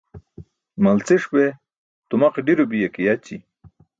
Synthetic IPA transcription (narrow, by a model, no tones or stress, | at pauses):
mɐlt͡siʂbe | t̪umaqiɖiɾobijekijat͡ɕi